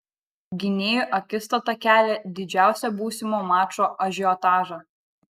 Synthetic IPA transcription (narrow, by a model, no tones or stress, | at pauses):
ɡʲɪnʲeːjʊʔɐkʲɪst̪ɐt̪ɐkʲæːlʲɛd̪ʲɪd͡ʒʲæˑʊsʲɛbuːsʲɪmoːmɑːt͡ʃoːʔɐʒʲɪɔt̪ɑːʒɑ